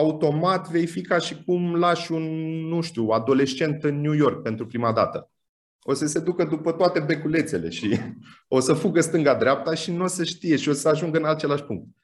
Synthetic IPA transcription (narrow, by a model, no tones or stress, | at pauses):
aut̪o̞mat̪ve̞jjfikaʃikumlaʃunːuʃt̪uad̪o̞le̞ʃt͡ʃe̞nt̪ɨnːjujo̞rk̚pe̞nt̪ɾupɾimad̪a̰t̪ə | o̞səse̞d̪ukəd̪upət̪oat̪e̞be̞kule̞t̪se̞le̞̰ʃi | o̞səfuɡəst̪ɨŋɡad̪ɾeap̚t̪aʃinuo̞səʃt̪ije̞ʃio̞səaʒuŋɡəɨnat͡ʃe̞laʃʲpṵŋk̚t̪̚